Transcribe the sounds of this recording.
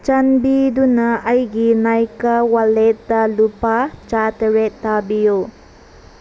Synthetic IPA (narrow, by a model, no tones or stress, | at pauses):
t͡ʃɐnbidunɐːjɡinajkawalet̚dɐlupat͡ʃatɐɾetːabijo